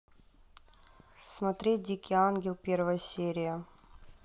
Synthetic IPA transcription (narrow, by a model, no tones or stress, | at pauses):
smɐt̪ɾʲet̚ʲdʲikʲɪanɡʲɪlˠpʲervəjəsʲeɾʲɪjə